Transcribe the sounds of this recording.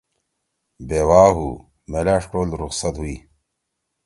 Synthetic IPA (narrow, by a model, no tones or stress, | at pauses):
beːwaːɦu | melaʂʈoːlɾuxsɐt̪ɦuiː